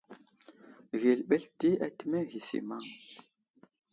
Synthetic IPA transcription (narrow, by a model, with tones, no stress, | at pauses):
ɣi˨lɓe˦ɬti˦a˨ti˦me˦ɣi˨sḭ˨ma˦˨ŋ